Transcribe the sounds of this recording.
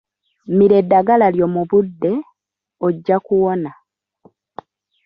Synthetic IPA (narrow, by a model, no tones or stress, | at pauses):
miɾe̞dːaɡalaljo̞ːmuβudːe̞ | oɟːakuwo̞na